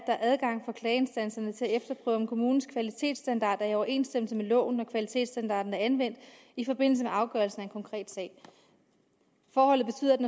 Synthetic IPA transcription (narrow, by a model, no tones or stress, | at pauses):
d̥ɑʔæð̞ˠɡ̥ɑ̈ŋ̰fɒ̽kʰlɛːe̝nsd̥æn̰sɐnət͡sʰe̝æefd̥ɐpʰʁœ̰ːʊɒnkʰo̝muːn̩skʰʋælit͡sʰe̝̰ːd̥sd̥ænd̥ɑ̈ːd̥æɐiɒʊɐe̝̰ːnsd̥em̰l̩səmelɔ̰̽ːnːɒkʰʋælit͡sʰe̝̰ːd̥sd̥ænd̥ɑ̈ːd̥n̩æɐænʋen̰d̥ | ifɒ̽b̥e̝n̰l̩səmeʔɑ̈ʊɡ̥ɶɐlsn̩æe̝nkʰɒ̽ŋkʰʁɛ̰ːd̥sɛ̰ːɪ | fɒːhɒ̽l̰ð̩ˠb̥e̝t͡sʰy̰ːð̰ˠd̥